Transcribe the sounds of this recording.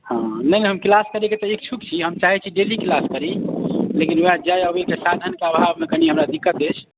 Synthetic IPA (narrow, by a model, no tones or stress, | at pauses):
hãnəjnɛɦəmklaskəɾeket̪ɔek̚t͡ʃʰukt͡ʃʰiɦəmt͡ʃaɦɛt͡ʃʰiɖeliklaskəɾilekinoad͡ʒajəbʱet͡ʃʰesad̪ʱənkeəbʱabmekəniɦəmɾad̪ikːət̪et͡ʃʰ